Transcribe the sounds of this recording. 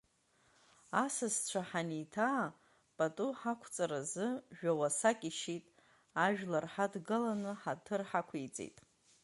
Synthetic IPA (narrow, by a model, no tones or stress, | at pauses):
asɨzt͡ɕʷʰaħanitʰaː | pʼatʼuħakʷʰt͡sʼaɾazɨʒᶣawasakʲʼiʃitʼ | aʒᶣlarħadɡɨlanɨħatʰɨrħakʷʰijt͡sʼḛjtʼ